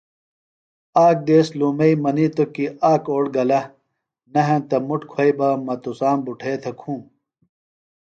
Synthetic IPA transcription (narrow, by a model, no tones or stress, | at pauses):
aːk̚d̪eːslumɐimɐnit̪okiaːkoːɽɡɐlɐ | nɐɦɐ̃nt̪ɐmuʈkʰwɐibɐmɐt̪usaːmbuʈʰeːt̪ʰɐkʰũː